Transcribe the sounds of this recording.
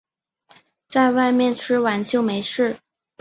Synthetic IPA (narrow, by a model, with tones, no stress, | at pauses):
t͡sa˥˧ɪwa˥˧ɪmjɛ˥˩nʈ͡ʂʰɻ̩˥wa˧˥nt͡ɕjo˥˩ʊme˧˥ɪʂɻ̩˥˩